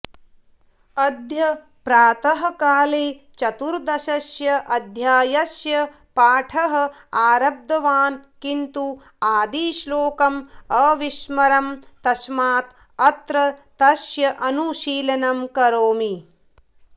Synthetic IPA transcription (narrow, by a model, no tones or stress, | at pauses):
ɐd̪ʱjɐ | pɾaːt̪ɐɦɐkaːleːt͡ʃɐt̪uɾd̪ɐʃɐʃjɐʔɐd̪ʱjaːjɐsjɐ | paːʈʰɐɦɐ̆ | aːɾɐb̚d̪ɐʋaːnkint̪u | aːd̪iːʃloːkɐmɐʋiʃmɐɾɐmt̪ɐʃmaːt̪ | ɐt̪ɾɐt̪ɐʃjɐʔɐnuʃiːlɐnɐmkɐɾoːmi